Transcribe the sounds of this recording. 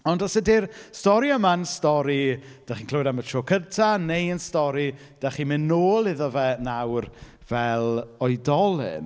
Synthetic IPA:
ɔndɔsədirstɔɾiəmanstɔɾi | d̥aχiːnkʰl̥ˠoːdamətʰroːkʰəntʰanejənstɔɾi | d̥aχimɪnoːlˠɪðɔvɛnawr | vɛlˠɔɨdɔlˠɪ̰n

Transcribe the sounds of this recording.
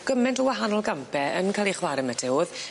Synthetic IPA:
ɡ̥əmɛntɔwaɦanɔlˠɡampʰɛənkʰalˠiχwaɾəmətʰɛwð

